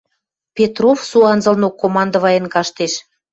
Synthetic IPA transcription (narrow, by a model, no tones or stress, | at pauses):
pʲet̪rofsuɑnzɤ̆lnokːomɑnd̪ə̆βɑjenkɑʃt̪eʃ